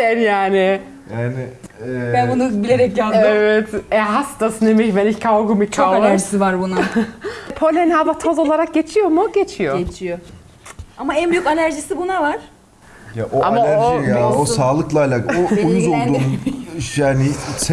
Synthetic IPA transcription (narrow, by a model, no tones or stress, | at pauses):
ɛnjaːnɪ | jaːnɪbænbunubilʲeɾɛk̚janevɛt̪ɛɦast̪asɯnemɛçmenikʰawɡumikʰaaæɾʒisivaɾbuna | pʰolʲenabat̪ʰozo̞lˠaɾak̚ɟe̞t͡ʃʰijo̞mʊɟet͡ʃʰijoet͡ʃʰijo | amaɛnbyjykalʲæɾʒisibunavaɾ̥ | jaʔoamaaojaosaːlˠɯklˠajlˠaoujuzolˠdd̪uːnjaːnɪs